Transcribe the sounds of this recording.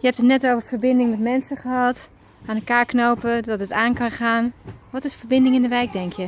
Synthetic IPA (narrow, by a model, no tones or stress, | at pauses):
jəhɛptətnɛtoːwvəɹfəɹbɪndɪŋmɛtmɛnsəχəɦɑt | ʔaːnəkaːɹknowpədɔtətaːnkɑnχaːnʋɔtɪsfəɹbɪndɪŋɪndəʋɛjk̚dɛŋkʰjə